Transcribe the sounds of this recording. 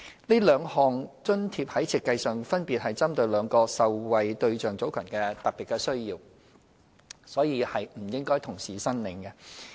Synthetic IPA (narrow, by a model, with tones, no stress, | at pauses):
liː˥lœː˨˧ŋhɔː˨ŋt͡ʃɵ˥nt̪ʰiː˧p̚hɐ˨˥jt͡sʰiː˧t̚kːɐ˧jsœː˨˩ŋfɐ˥npiː˨t̚hɐ˨jt͡sɐ˥mt̪ɵ˧ɥlœː˨˧ŋkɔː˧sɐ˨wwɐ˨jt̪ɵ˧ɥt͡ʃœː˨˩ŋt͡so˨˥wkʰœ̰ː˨˩nkɛː˧t̪ɐ˨˩piː˨t̚kɛː˧sɵ˥ɥjiː˧w | sɔː˨˥jiː˨˧hɐ˨jm̩˨˩jɪ˥ŋkɔː˥jt̪ʰʊ˨˩ŋsiː˨˩sɐ˥nlɪ˨˧˥ŋkɛ˧